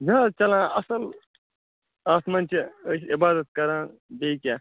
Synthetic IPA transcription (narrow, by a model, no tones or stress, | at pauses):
zɐːt͡ʃɐlãːɐsɐl | aːsmɐnʲt͡ʃisibaːd̪ɐt̪̚kɐɾãːbeikʲaː